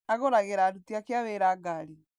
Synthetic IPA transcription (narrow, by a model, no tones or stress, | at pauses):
aɣoɾaɣeɾaːdutiakeaβeɾaːɡaɾi